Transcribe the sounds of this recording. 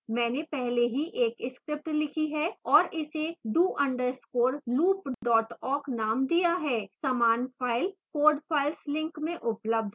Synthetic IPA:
mɛ̃ːnepɛɦleɦiʔeːkɪskɾɪp̚ʈlɪkʰiɦɛːɔːɾʔɪsed̪uːʔɐ̃ɳɖəɾskoːɾluːpɖɔːʈɔːɾknaːmd̪ijaɦɛːsɐmaːnfaːɪlkoːɖfʰaːɪlslɪ̃ŋkmẽʔʊpləb̚d̪ʱ

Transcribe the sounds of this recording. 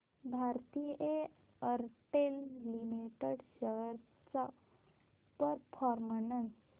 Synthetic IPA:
bʱaɾt̪ijʔe | əɾʈellimiʈeɽɕəɡəɾ | t͡sa | pəɾpʰɔɾmənən

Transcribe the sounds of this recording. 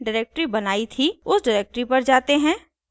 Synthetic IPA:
ɖɪɾeːk̚ʈɾibɐnaːit̪ʰiʊsɖɪɾeːk̚ʈɾipɐɾd͡ʒaːt̪eɦɛ̃ː

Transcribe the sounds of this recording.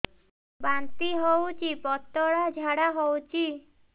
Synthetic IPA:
bant̪iɦowt͡ʃʰipɔt̪ːɔɽad͡ʒʱaɽaɦowt͡ʃʰi

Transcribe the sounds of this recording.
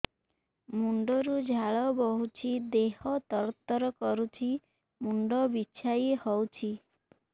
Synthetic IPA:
muɳɖɔɾud͡ʒʱaɭɔbɔɦut͡ʃʰid̪ehɔt̪ɔɾɔt̪ːɔɾɔkɔɾut͡ʃʰi | muɳɖɔbiːt͡ʃʰajehɔwt͡ʃʰi

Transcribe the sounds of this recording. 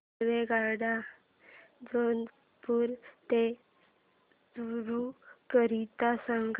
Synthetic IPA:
ʋeɡaɾɽa | d͡zon | puːɾt̪e | suɾukəɾit̪asaŋɡ

